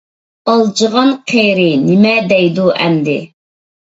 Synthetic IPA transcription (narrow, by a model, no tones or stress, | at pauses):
ɑlˠd͡ʒəʁɑnqʰejɾɪnɪmɛd̪ɛjd̪uʔɛmd̪ɪ